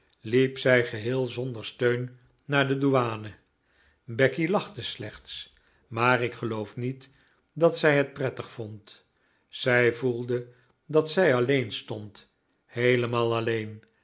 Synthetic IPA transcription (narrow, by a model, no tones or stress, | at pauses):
lipsɛjχəɦɪːlˠzɔndəɹstøɥnː | aːɹdəduaːnə | bɛkilɑχtəslɛχts | maːrɪkχəlowfnit | dɑtsɛjɦət̚prɛtəχfɔnt | z̥ɛjvulˠdə | dɑtsɛjɑlejnstɔnt | hejləmaːlˠɑlejn